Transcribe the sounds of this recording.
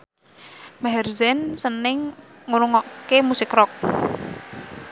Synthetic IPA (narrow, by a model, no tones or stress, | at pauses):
maɦɛrzɛnsənɪŋ | ŋuɾuŋɔʔkemusɪkrɔk̚